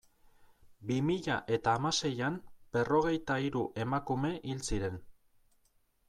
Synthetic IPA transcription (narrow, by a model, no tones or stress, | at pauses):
bimiʎaʔe̞t̪aːmase̞jamb̥e̞ro̞ɣ̞e̞jt̪aiɾuʔe̞makume̞ʔilt͡siɾe̞n